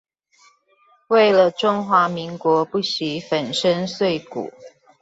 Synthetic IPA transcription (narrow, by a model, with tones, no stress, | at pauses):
we˥˩ɪlə˨ʈ͡ʂʊ˥ŋxwa˧˦mi˧˦ŋkwɔ˧˥pu˥˩ɕi˨˦fə˨˩nʂə˦ŋswe˥˩ɪkṵ˨˩˦